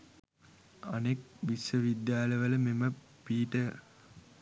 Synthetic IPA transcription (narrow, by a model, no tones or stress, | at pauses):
anekʋisʋəʋid̪jaːləʋələmemə | piːʈə